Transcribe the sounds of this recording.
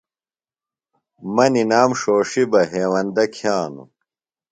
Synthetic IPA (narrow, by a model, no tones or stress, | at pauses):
mɐninaːmʂoːʂibɐɦeːwɐnd̪ɐkʰjaːnṵ